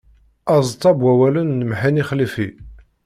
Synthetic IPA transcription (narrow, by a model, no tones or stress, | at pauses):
ɑzˤt̪ˤːɑbwæwælənːəmħiniχlifi